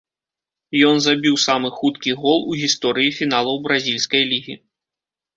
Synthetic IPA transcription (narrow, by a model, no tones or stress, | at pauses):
jɔnzabʲiwsamɨxut̪kʲiɣɔlˠuɣʲist̪ɔɾɨjifʲinalˠɐwbɾazʲilʲsʲkɐjlʲiɣʲi